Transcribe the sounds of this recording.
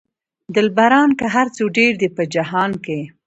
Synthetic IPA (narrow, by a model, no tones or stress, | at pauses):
d̪ɪlbaɾɑnkaɦaɾt͡soɖeɾd̪ipəd͡ʒaɦɑnke